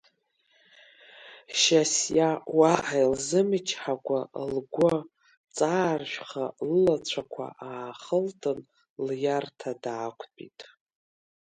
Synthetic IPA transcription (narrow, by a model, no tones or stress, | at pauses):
ʃasjawaʔajlzɨmɨt͡ʃʰħakʷalɡʷo | t͡sʼaːrʃʷᶣχalɨlat͡ɕʷʰakʷʰa̰ʔaːχəltʰʼɨn | ljartʰadaːkʷʰpʼḭtʼ